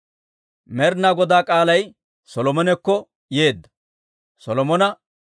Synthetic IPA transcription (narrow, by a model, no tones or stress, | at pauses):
mɛɾnaːɡɔd̪aːkʼaːlɐj | sɔlɔmɔnɛkːɔ | je̞ːd̪ːɐ̥ | sɔlɔmɔnɐ